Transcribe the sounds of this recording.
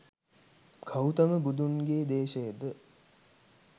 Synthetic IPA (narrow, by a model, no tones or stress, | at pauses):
kʰɐwt̪ɐməbud̪unɡeːd̪eːʃəjəd̪ə